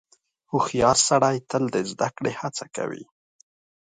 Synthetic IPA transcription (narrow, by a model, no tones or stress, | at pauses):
huxijɑɾsaɽajt̪əld̪əzd̪akɽehat͡saka̰wḭ